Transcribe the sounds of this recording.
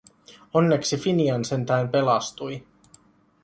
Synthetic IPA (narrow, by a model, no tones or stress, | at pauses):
o̞nːe̞ksifiniɑnse̞nt̪æːmpe̞lɑst̪uj